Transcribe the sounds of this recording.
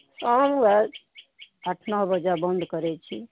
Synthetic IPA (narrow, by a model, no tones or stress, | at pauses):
samɡɛɾ | əʈʰnəɦbəd͡ʒabənd̪ʱkəɾɛt͡ʃʰi